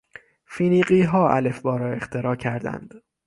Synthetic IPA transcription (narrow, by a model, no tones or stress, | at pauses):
fiːniːɢiːɦɒːʔæ̰le̞fbɒːɾɒːe̞xt̪ʰe̞ɾɒːcʰæɾd̪æ̰nd̪̥